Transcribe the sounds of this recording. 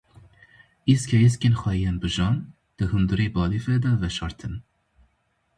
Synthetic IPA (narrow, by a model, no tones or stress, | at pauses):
iskʲʰɛjeskenxʷɛjɛnbɨʒɑn | d̪̥ɨhund̪ɨɾiːbɑːlifɛd̪ɛvɛʃɑːɾt̪ʰɨn